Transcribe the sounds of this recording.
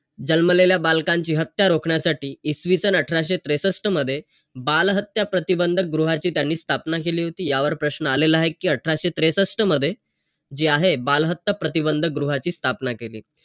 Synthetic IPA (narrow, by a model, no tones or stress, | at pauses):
d͡ʑəlməleljabalkaɲt͡ɕiːɦət̪jaɾokʰɳjasaʈiːsʋisənəʈʰɾaɕet̪ɾesəsʈʰəməd̪ʱːje | balɦət̪japɾət̪ibənd̪ʱəɡɾuɦat͡ɕiːt̪janːiːst̪ʰapnakeliːɦot̪iːjaʋəɾpɾəɕnəalelaɦekːiːəʈʰɾaɕet̪ɾesəsʈəməd̪ʱːje | d͡ʑiːaɦebalɦət̪ːəpɾət̪ibənd̪ʱəɡɾuɦat͡ɕiːst̪ʰapnakeliː